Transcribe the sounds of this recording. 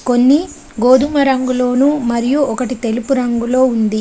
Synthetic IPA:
ko̞nːi | ɡoːd̪ʱumɐɾɐŋɡulo̞ːnumɐɾijuɔkɐʈit̪e̞lupuɾɐŋɡulo̞ːund̪i

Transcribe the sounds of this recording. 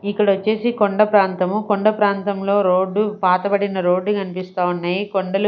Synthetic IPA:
ikːɐɽɐt͡ʃːeːsikɔɳɖɐpɾaːnt̪ɐmukɔɳɖɐpɾaːnt̪ɐmlo̞ːɾo̞ːɖːupaːt̪ɐbɐɽinɐɾo̞ːɖːukɐnipist̪aːwunːɐːjikɔɳɖɐlu

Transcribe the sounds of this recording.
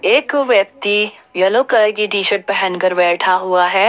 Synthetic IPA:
eːkʋjəp̚t̪i | jɐlokɐkiʈiːʃəʈ̚bɐɦənkɐɾbɛːʈʰaɦuaɦɛː

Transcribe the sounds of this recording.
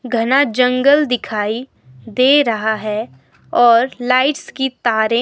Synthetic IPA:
ɡʱɐnad͡ʒɐ̃ŋɡəld̪ɪkʰaːi | d̪eːɾɐɦaɦɛ | ɔːɾlaːɪʈskit̪aːɾẽ

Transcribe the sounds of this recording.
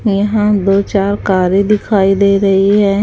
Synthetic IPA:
jɐɦãd̪oːt͡ʃaːɾkaːɾed̪ɪkʰaːid̪eːɾɐɦiɦɛː

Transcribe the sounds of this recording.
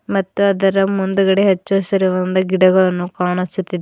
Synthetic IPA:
mɐt̪ːuɐd̪ɐɾɐmund̪uɡɐɽeɦet͡ʃːoːsɐɾiʋɐnd̪ɐɡiɽɐɡɐɭɐnːukaːɳɐsut̪ːid̪e

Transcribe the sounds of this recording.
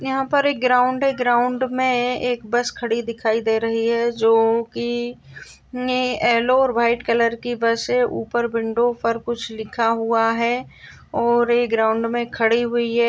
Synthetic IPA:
jɐɦãpɐɾeːk̚ɡɾaːʊ̃ɳɖeːɡɾaːʊ̃ɳɖmẽeːkbɐskʰɐɽid̪ɪkʰaːid̪eːɾɐɦiɦɛd͡ʒoːki | ɛːloɔːɾbʱaːɪʈkɐləɾkibɐseʔuːpəɾbɪ̃ɳɖõpɐɾkʊt͡ʃʰlɪkʰaɦʊaɦɛ | ɔːɾeːɡɾaːʊ̃ɳɖmẽkʰɐɽiɦʊiɦɛ

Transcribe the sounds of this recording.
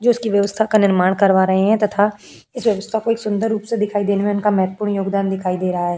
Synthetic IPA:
d͡ʒoːʊskiʋjɐʋəst̪ʰakanɪɾmaːɽ̃kɐɾʋaːɾɐɦeɦɛ̃t̪ɐt̪ʰa | ɪsʋjɐʋəst̪ʰakoeːksʊ̃nd̪əɾːuːpsed̪ɪkʰaːid̪eːnemẽʊnkamɛɦt̪əpuːɾɳjoːɡd̪aːnd̪ɪkʰaːid̪eːɾɐɦaɦɛː

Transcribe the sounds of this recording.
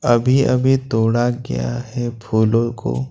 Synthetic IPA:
ɐbʱiɐbʱit̪oːɽaɡɐ̰ja̰ɦɛpʰuːlõko̰ː

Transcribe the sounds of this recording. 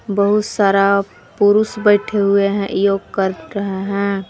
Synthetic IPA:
bəɦʊt̪saːɾa | pʊɾʊsbəɪʈʰeɦʊeɦɛ̃ʔjoːɡkəɾɾəɦeɦɛ̃

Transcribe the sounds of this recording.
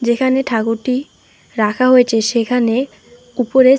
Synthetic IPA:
d͡ʑekʰaneʈʰakuʈi | ɾakʰaɦoet͡ɕʰeʃekʰane | upoɾe

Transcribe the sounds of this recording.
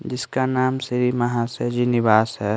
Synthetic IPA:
d͡ʒɪskanaːmsɪɾimɐɦãsed͡ʒinɪbaːsɦɛ

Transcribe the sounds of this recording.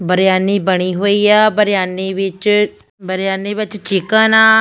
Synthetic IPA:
bəɾɪjaːniːbəɽ̃iːɦoːiːaːbəɾɪjaːniːʋɪt͡ʃ | bəɾɪjaːniːbɪt͡ʃt͡ʃɪkãːnaː

